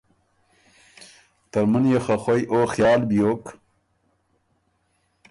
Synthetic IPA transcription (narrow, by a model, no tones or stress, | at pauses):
t̪ɐɾmunjexɐxojʔoːxjɑːlbijoːk